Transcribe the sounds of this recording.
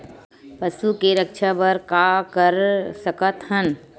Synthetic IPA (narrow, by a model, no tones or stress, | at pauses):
pɐsukeɾəkʃʰabɐɾkakəɾsəkət̪hən